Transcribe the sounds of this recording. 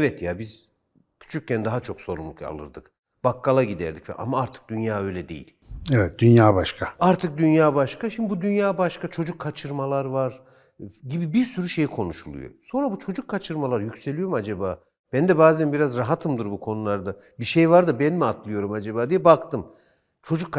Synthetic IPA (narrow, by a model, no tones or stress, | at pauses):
evɛt̪jabiz̥ | cʰy̥t͡ʃʰyc̚cːænd̪aɦat͡ʃʰo̞kso̞ɾumlˠuka̰lˠɯ̰ɾd̪ɯk | b̥akːalˠaɟid̪æ̰ɾd̪icvɛ̰ʔa̰maaɾt̪ʰɯ̥k̚d̪ynjaːø̞jlʲɛd̪e̞̰jḭlʲevɛt̪̚d̪ynjaːbaʃkʰaaɾt̪ʰɯk̚d̪ynjaːbaʃkaʃimd̪ibud̪ynjaːbaʃkat͡ʃʰo̞d͡ʒukʰːat͡ʃʰɯɾmalˠaɾvaɾ | ɟibibiɾsyɾyʃe̞jikʰo̞nuʃulˠṵjo̰so̞nɾabut͡ʃʰo̞d͡ʒukʰːat͡ʃʰɯɾmalˠaɾjycʲse̞lʲijo̞ɾumad͡ʒabaː | b̥ænd̪ɛbaːzænbiɾazɾaɦat̪ʰɯmd̪ɯɾbukʰo̞nulˠaɾd̪a | biʃejvaɾd̪ɯbænmiat̪ʰlˠɯjo̞ɾumad͡ʒabaːd̪ijɛbakt̪ɯm | t͡ʃʰo̞d͡ʒukʰː